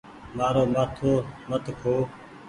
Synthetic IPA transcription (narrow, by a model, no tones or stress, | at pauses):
maːɾoːmaːt̪ʰoːmət̪ʰkʰoː